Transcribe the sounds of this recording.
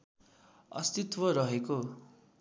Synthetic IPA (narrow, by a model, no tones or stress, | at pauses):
ʌ̰st̪it̪wʌɾʌɦeko